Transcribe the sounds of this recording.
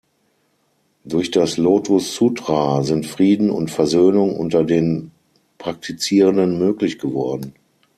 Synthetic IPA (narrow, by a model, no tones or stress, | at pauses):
d̥ʊɐçd̥asloːtʰʊsːudʁazɪntfʁ̥iːdn̩ʊ̰ntfɛɐzøːnʊŋʔʊ̰ntɐdeːn | pʁ̥ak̚tʰit͡siːʁəndənmøːklɪçɡ̥əvɔɐdn̩